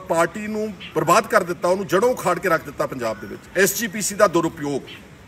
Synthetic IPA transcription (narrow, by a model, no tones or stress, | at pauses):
paːɾʈiːnũːbəɾbaːd̪kəɾd̪ɪt̪ːaːoːnũːd͡ʒəɽõːkʰaːɽkeːɾəkʰd̪ɪt̪ːaːpəɲd͡ʒaːb̚d̪ḛːʋɪ̰t͡ʃɛːsd͡ʒiːpiːsiːd̪aːd̪ʊɾʊpjoːɡ